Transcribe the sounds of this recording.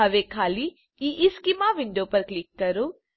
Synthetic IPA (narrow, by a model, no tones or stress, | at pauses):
ɐʋekʰaːli | iʔɪskimaʋɪɳɖoːpɐɾklɪkːɐɾoː